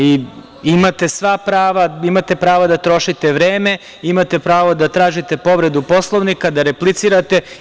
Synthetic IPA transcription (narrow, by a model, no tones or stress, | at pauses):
i | imat̪e̞sʋapɾaːʋaimat̪e̞pɾaːʋad̪at̪ɾo̞ʃit̪e̞ʋɾeːme̞ | imat̪e̞pɾaːʋod̪at̪ɾaːʒit̪e̞po̞ʋɾe̞d̪upo̞slˠoʋnikad̪aɾeplit̪siɾat̪e̞